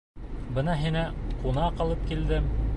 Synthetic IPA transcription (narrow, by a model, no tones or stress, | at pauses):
bɤnɑɦinæqunɑqɑlˠɤp̚kild̪ɘm